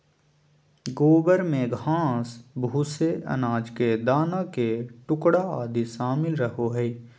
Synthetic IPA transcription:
ɡoːbəɾmẽɡʱãːsbʱuːseʔə̰naːd͡ʒked̪aːnakeʈʊkɽaaːd̪iʃaːmɪlɾəɦoɦɛi

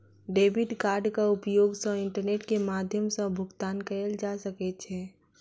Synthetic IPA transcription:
ɖeːbɪɖkaːɾɖkaʊpjoːɡsə̃ɪ̃ɳʈəɾneːʈkemaːd̪ʱjəmsə̃bʱʊɡt̪aːnkəɾəld͡ʒaːsəket͡ʃʰeː

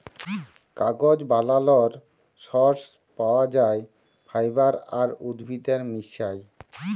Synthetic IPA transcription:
kaɡod͡ʑbalalɔɾ | ʃɔɾs | paoad͡ʑae | bʰʱajbaɾaɾud̪bʱid̪eɾmiʃaj

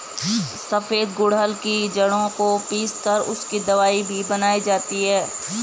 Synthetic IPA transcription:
sɐfeːd̪ɡʊɽɦəlkid͡ʒɐɽõkopiːskɐɾʊskid̪ɐʋaːibʱibɐnaːid͡ʒaːt̪iɦɛː

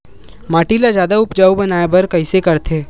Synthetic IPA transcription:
maːʈiːlazjaːd̪aʊpd͡ʒaːubɐnaːebɐɾkɐɪsekɐɾt̪ʰeː

